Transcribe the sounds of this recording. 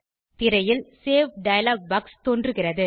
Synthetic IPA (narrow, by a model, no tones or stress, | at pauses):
t̪ɪɾɐjɪlseːfɖɐjɐlaːɡ̚bɐkst̪oːndrɯɣɪrɐðɯ